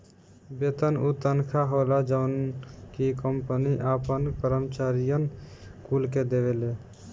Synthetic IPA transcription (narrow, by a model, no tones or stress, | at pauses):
bet̪ənut̪ənkʰaɦolad͡ʒəʊnkikəmpəniʔaːpənpəɾəmt͡ʃaːɾijən | kuːlked̪eʋele